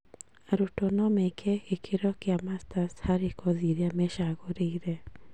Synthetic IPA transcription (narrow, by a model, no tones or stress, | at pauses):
aɾotɔnɔmekʰɛɣekʰeɾɔkeamastashaɾekʰoðiɾeamɛʃaɣoɾeiɾɛ